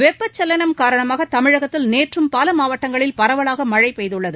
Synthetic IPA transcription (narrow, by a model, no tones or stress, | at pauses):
ʋɛpːɐt͡ʃːɐlːɐnɐmkaːɾɐɳɐmaːɣɐt̪ɐmɪɻɐɣɐt̪ːɪlneːʈrɯmpaːlɐmaːʋɐʈːɐŋɡɐɭɪlpɐɾɐʋɐɭaːɣɐmɐɻɐɪpɛjðɯɭːɐðɯ